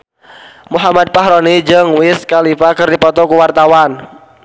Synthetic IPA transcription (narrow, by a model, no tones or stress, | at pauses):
muɦamad̪̚paɦɾɔnid͡ʒɨŋwɪskalifakɨrdipɔt̪ɔkuwart̪awan